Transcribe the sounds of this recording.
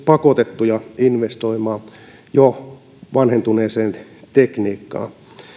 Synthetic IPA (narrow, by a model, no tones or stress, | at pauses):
pɑkot̪et̪ːujɑinʋest̪oimɑː | jo | ʋɑnhent̪uneːseːnt̪ekniːkːɑ̰ː